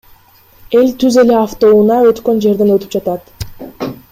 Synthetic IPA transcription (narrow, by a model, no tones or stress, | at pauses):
e̞lʲt̪yze̞le̞aft̪o̞unɑø̞t̪kø̞nd͡ʒe̞ɾd̪e̞nø̞t̪y̥p̚d͡ʒɑt̪ɑt̪